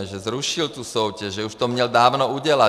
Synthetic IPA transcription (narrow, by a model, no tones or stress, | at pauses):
ɛʒɛzɾuʃilt̪uːsɔʊcɛʒʒɛuʃt̪ɔmɲɛld̪aːʊnɔuɟɛla